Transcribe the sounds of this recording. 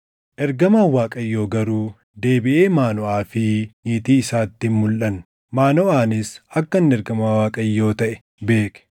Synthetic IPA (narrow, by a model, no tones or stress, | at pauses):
ʔɛɾɡɐmaːwaːkʼɐjːo̞ːɡɐɾuː | d̪e̞ːbɪʔe̞ːmaːnɔʔaːfɪniːt̪iːɪsaːt̪ːɪmmʊlʔɐn | maːnɔʔaːnɪsɐkːɐnnɛɾɡɐmaːwaːkʼɐjːo̞ːt̪ɐʔɛ̥ | be̞ːkɛ̥